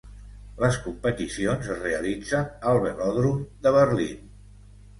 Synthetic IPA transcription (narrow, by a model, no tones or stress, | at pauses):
ləskumpət̪isionzəzreəlid͡zənəlˠβəlɔðɾumd̪əβəɾlḭn